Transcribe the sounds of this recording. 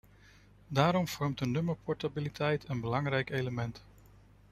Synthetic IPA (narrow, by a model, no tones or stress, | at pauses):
daːɾɔmv̥ɔɹmtənːɵməɹpʰɔɹtabilitʰɛjtʰənbəlɑŋrɛjkejləmɛnt